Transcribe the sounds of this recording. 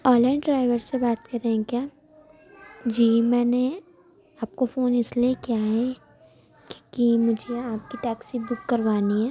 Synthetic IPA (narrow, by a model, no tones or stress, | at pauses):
ɔ̃ːlaːɪnɖɾaːɪʋəɾsebaːt̪kɐɾẽɦɛ̃kjaː | d͡ʒiːmɛːne | aːp̚kofoːnɪsliekjaɦɛ | ko̥kimʊd͡ʒʱeaːp̚kiʈɛːksibʊkːɐɾʋaːniɦɛː